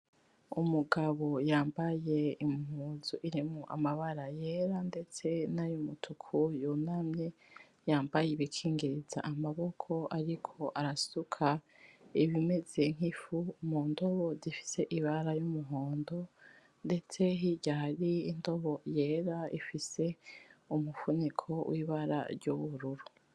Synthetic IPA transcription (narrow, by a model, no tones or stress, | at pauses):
umuɡaβo̞jaːmbaje̞imhuːnzuʔiɾimŋuʔa̰maβaɾaje̞ːɾande̞t͡se̞najumutʰukʰujunamɲe | jaːmbajeβikʰiːŋɡiɾiza̰ʔamaβo̞kʰo̞ʔaɾikʰo̞ʔaɾasukʰa | iβime̞zeŋ̥hifumuːndo̞βozifi̥se̞ʔiβaɾajumuɦo̞ːndo̞ | nde̞t͡se̞ɦiɟahaɾiːndo̞βo̞je̞ːɾaḭfise̞umufunikʰo̞wʔiːβaɾa̰ɾɟuβuɾuɾu